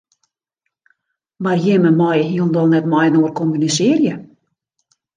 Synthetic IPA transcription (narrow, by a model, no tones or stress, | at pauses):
marjɪməmɔjɦiəlˠndɔlˠnɛtmɔjnoərkɔmynisɪːrjə